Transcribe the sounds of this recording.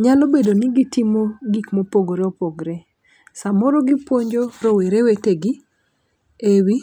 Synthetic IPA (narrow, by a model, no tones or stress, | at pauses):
ɲalobedonɪɡitimoɡikmopoɡɾeɔpoɡɾe | samɔɾɔɡɪpwoɲd͡ʒoɾɔweɾeweteɡɪ | ewi